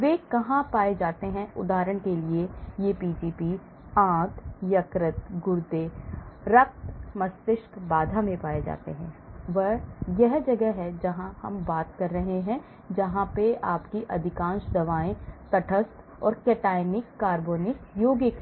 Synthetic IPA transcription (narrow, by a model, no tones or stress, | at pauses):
ʋeːkɐɦãpaːed͡ʒaːt̪eɦɛ̃ʊ̰d̪aːɾəɽ̃keliejeːpiːʈiːpiː | ãːt̪jɐkɾɪt̪ɡʊɾd̪eɾɐk̚t̪mɐst̪ɪʃk̪baːd̪ʱamẽpaːed͡ʒa̰ːt̪ḛɦɛ̃ːʋɐjɛɦd͡ʒɐɡɛɦɛd͡ʒɐɦãhɐmbaːt̪kɐɾːɐɦeɦɛ̃ | d͡ʒɐɦãpeaːpkiʔɐd̪ʱɪkãːnʃd̪ɐʋaːẽt̪ɐʈʰəst̪ | ɔ̰ːɾkeːʈaːɪnɪkːaːɾboːnɪkjoːɡɪk